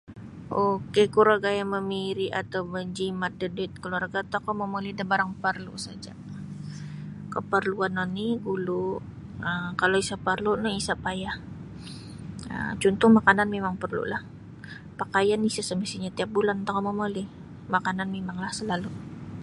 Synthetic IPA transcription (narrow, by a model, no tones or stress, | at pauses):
ʔokekuɾaɡajaməmiɾiʔat̪awməɲd͡ʒimat̪̚dəduɪt̪̚kəluarɡat̪akomomolidabaɾaŋpərlṵsad͡ʒa̰ | kəpərluanɔnːiɡulu | əkaloisapərlunoisapajah | ə̰t͡ʃunt̪ʊhmakananmemaŋpərlṵlah | pakajanisasəməst̪iɲat̪iap̚bulant̪akomomoli | makananmemaŋlahsəlalu